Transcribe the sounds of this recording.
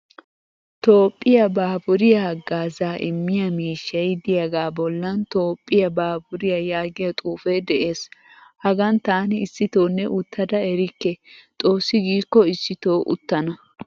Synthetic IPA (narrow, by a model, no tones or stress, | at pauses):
t̪o̞ːpʼːɪjɐbaːbʊɾɪjaɡaːzaːʔɪmːɪjɐmiːʃːɐjd̪ɪjɐɡaːbɔlːɐnt̪o̞ːpʼːɪjɐbaːbʊɾɪjɐjaːɡɪjɐt̪ʼuːfɛjd̪ɛʔe̞ːs | hɐɡɐnt̪aːnɪɪsːɪt̪oːnːɛʔʊt̪ʰːɐd̪ɐɛɾɪkːɛt̪ʼo̞ːsːɪɡiːkːɔɪsːɪt̪oːʔʊ̰t̪ːɐnɐ